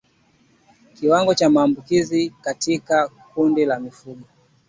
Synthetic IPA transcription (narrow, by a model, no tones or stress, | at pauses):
kiwaŋɡɔt͡ʃamaːmbukizikatika | kundilamifuɓɔ